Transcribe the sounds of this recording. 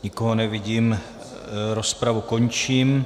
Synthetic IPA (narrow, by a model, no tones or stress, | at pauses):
ɲɪkoɦonɛvɪɟiːm | ɾo̞spɾavuko̞ɲt͡ʃiːm